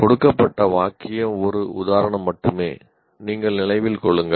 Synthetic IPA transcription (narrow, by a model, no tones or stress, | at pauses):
kɔɽɯkːɐpːɐʈːɐʋaːkɪjɐmɔɾɯʔʊðaːɾɐɳɐmːɐʈːɯmeː | niːŋɡɐɭnɪlɐɪʋɪlkɔɭːɯŋɡɐ